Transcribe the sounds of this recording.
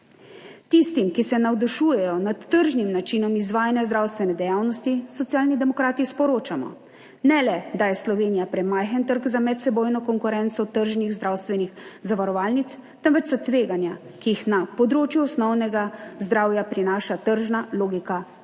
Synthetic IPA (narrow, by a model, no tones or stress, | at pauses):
t̪ist̪imkisɛnawd̪ɔʃuːjɛjɔnat̪ːəɾʒnimnat͡ʃinɔmizʋaːjanjazd̪ɾawst̪ʋɛnɛd̪ɛjawnɔst̪isɔt̪sjaːlnid̪ɛmɔkɾaːt̪ispɔɾoːt͡ʃamɔ̰ | nɛlɛd̪ajɛslɔʋeːnijapɾɛmajxənt̪əɾɡzamɛt̪sɛboːjnɔkɔŋkuɾɛnt̪sɔt̪əɾʒniɣzd̪ɾawst̪ʋɛnixzaʋaɾɔʋaːlnit̪st̪əmʋɛt͡ʃsɔt̪ʋeːɡanja | kijixnapɔd̪ɾoːt͡ʃjuɔsnɔwnɛɡazd̪ɾaːwjapɾinaːʃat̪əɾʒnaloːɡika